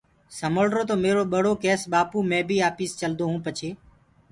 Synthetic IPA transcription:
səməɭɾoːt̪oːmeːɾoːɓəɽ̤oːkɛːsɓaːpuːmẽːbʱiːaːpiːst͡ʃəld̪oːɦũːpət͡ʃʰeː

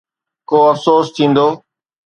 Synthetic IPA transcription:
koːəfsoːst̪ʰĩːnd̪oː

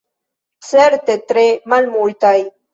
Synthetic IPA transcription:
t͡seɾt̪et̪ɾemalmult̪aj

